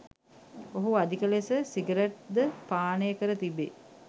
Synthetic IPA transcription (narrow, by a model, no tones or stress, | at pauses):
oɦuad̪ikəlesəsiɡəɾeʈ̚d̪əpaːnəjəkəɾət̪ibe